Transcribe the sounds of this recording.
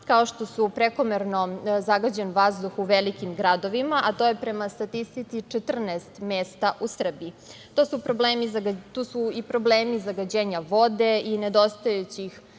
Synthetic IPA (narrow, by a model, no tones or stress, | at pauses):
kao̞ʃt̪o̞supɾeko̞meɾno̞zaɡad͡ʑe̞nʋazd̪uxuʋelikimɡɾad̪o̞ʋimaʔat̪o̞jepɾe̞mast̪at̪ist̪it̪sit͡ʃet̪r̩naest̪meːst̪aʔusr̩bii | t̪osupɾobleːmizaɡat̪uːsuipɾo̞bleːmizaɡad͡ʑe̞ːɲaʋo̞d̪e̞ine̞d̪o̞st̪ojet͡ɕix